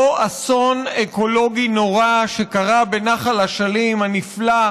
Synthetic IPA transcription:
oasoneko̞lo̞ɡino̞ʁaʃe̞kaʁabenaχalaʃalimhanifla

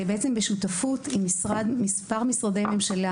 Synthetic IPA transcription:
beet͡se̞mbeʃut̪afut̪imːisʁad̪mispaʁmisʁad̪ejmemʃala

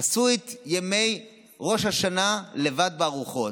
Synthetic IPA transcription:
asuet̪jeme̞j | ʁo̞ʃhaʃanale̞vad̪̚beaʁuχo̞

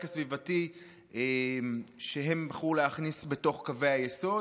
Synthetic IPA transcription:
kasvivati | emʃeɦe̞mbaχuleaχnisbe̞to̞χkave̞jhajeso̞

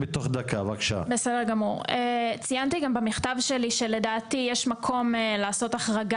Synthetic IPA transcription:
bet̪oχd̪akavakʃa̰besedeʁɡamuʁet͡sijant̪iɡambamiχt̪avʃeliʃe̞le̞daːtijeʃmakʰo̞melaːso̞taχʁaɡa

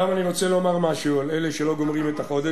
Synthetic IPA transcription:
amaniʁo̞t͡selomaʁmaʃualeleʃelo̞ɡo̞mʁimet̪aχo̞d̪e

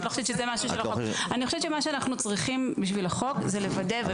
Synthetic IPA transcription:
lojoʃevt͡ʃezemaʃuʃelaoanixoʃevt͡ʃemaʃeanaχnut͡sʁiχimbiʃvilaχo̞kzelevadeve

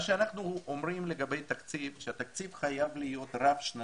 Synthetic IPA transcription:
ʃeanaχnuomʁimle̞ɡabe̞jt̪akt͡sivʃeat̪akt͡sivχajavlijo̞t̪ʁafʃna

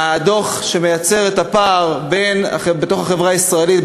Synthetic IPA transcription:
aːd̪o̞χʃe̞mejat͡se̞ʁet̪apaʁbena̰χbet̪o̞χaχe̞vʁaaisʁaelit̪

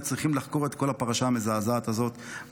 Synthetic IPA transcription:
t͡sʁiχimlaχko̞ʁe̞t̪ko̞lapaʁaʃaːmezaːzaːt̪azo̞t̪

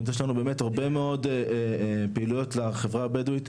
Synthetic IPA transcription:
t̬jeʃ̬lanube̞ːme̞taʁbe̞meo̞deepeilujo̞tleχevʁabeduit

